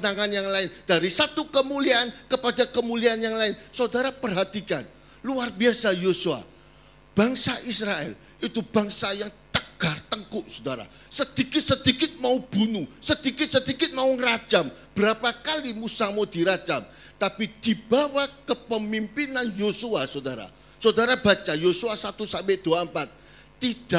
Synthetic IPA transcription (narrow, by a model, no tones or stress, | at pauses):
naŋanjaŋlaɪnd̥aɾisat̪ukəmuliankəpadakəmuliaanjaŋlaɪnsəodaɾapərɦat̪ika̰n | luarbiasajosua̰ | b̥aŋsaʔisɾaɛ̰l | it̪ub̥aŋsajaŋt̪əɡ̥art̪əŋkʊʔsudaɾa̰ | səd̪̥ikɪt̪̚səd̪ikɪt̪̚maub̥unusəd̪ikɪt̪̚sədikɪt̪̚mauŋərḁd͡ʒamb̥əɾapakalimusamod̥iɾḁd͡ʒamt̪apid̪̥ibawakəpəmimpinanjosuasodaɾa̰ | sodaɾabat͡ʃajosuasat̪usambɪʔd̥uampat̪̚ː | id̥a